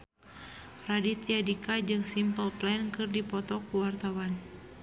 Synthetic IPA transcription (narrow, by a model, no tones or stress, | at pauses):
radit̪iadikad͡ʒɨŋsimpəlplɛnkɨrdipɔt̪ɔkuwart̪awan